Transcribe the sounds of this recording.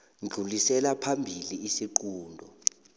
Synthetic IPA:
nd͡ɮʱulisɛlapʰambʱiliːsiǃuːndʱɔ

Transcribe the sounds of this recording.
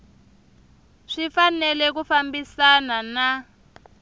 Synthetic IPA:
ʂifanɛlɛk̬ufambisanana

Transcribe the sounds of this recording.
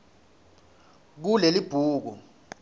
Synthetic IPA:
k̬ulelib̥ʱuːk̬ṵ

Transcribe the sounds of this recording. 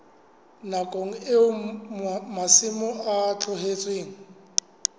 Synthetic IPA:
nakʼoŋ̩ɪʊ | masɪmʊat͡ɬʰɔɦet͡sʼweːŋ̩

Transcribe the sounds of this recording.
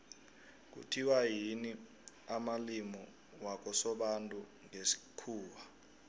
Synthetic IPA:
k̬ṵtʰiwaɦini | amalimɔ | wak̬ʼɔsɔɓantʼu | ŋesi̥kʰuːwa

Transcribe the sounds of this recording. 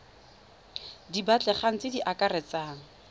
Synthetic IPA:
dibat͡ɬʼɛχaŋ̩t͡sɪdiʔakarɛt͡saːŋ̩

